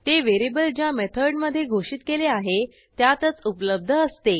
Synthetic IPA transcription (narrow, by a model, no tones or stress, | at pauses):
t̪eʋeɾibəld͡ʑjamet̪ʰəɾɖməd̪ʱːjeɡʱoʂiːt̪keleaɦe | t̪jat̪ət͡supləb̚d̪ʱəəst̪e